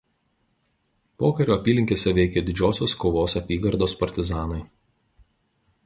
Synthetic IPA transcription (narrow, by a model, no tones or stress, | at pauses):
poːkɐɾʲoːɐpʲiːlʲɪŋʲkʲeːsʲɛʋʲɛɪkʲeːd̪ʲɪd͡ʒʲoːsʲoːskoːʋoːsɐpʲiːɡɐɾd̪oːspɐɾʲt̪ʲɪzɑːnɐɪ